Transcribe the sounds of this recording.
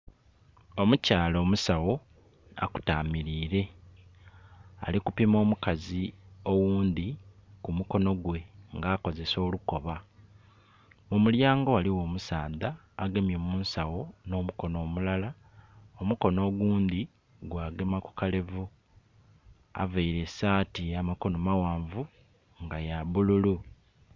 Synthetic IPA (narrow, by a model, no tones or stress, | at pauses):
o̞mucaːlo̞ːmusawo̞ | a̰ku̥taːmiɾiːɾe̞ | a̰likupimo̞ːmukazio̞wuːnd̪ikumuko̞no̞ɡwe̞ŋɡaːko̞ze̞so̞ːluko̞βa | mumuljaːŋɡowaliwo̞ːmusaːd̪aː | ɡemjoːmuːnsawo̞no̞ːmuko̞no̞ːmulala | omuko̞no̞ːɡuːnd̪i | ɡwaːɡe̞maku̥kale̞vu | a̰vaiɾe̞saːtiamako̞no̞mawaːɱvu | ŋɡajaβululu